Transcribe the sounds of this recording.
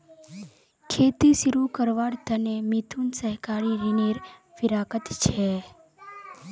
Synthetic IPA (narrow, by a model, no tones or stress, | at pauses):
kʰeːt̪isiɾukəɾʋaːɾt̪ənemit̪ʰunsəɦkaɾiɾineɾfɪɾaːkət̪t͡ʃʰe